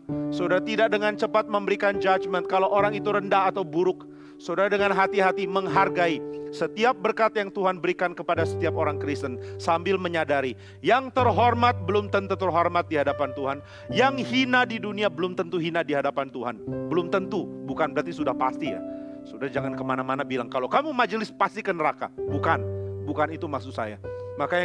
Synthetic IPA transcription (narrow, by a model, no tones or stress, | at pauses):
səodaɾat̪idak̚dəŋant͡ʃəpat̪̚məmbəɾikand͡ʒat͡ʃmənt̪̚kalawʔoɾaŋit̪uɾəndaɦat̪awbuɾʊk̚ | sodaɾadəŋanɦat̪iɦat̪iməŋɦarɡaisət̪iap̚bərkat̪jaŋt̪uɦanbəɾikankəpadasə̥t̪iap̚oɾaŋkəɾɪst̪ənsambɪlməɲadaɾi | jaŋt̪ərɦɔrmat̪̚bəlʊmt̪ənt̪ut̪ərɦɔrmat̪̚diɦadapant̪uɦan | jaŋhinadiduniabəlʊmt̪ənt̪uɦinadiɦadapant̪uɦanbəlʊmt̪ənt̪ubukanbəɾat̪isudahpast̪ija̰ | sudahd͡ʒaŋankəmanamanabilaŋkalokamumad͡ʒəlɪspast̪ikənəɾaka̰bukanbukanit̪umaksusaja̰makaj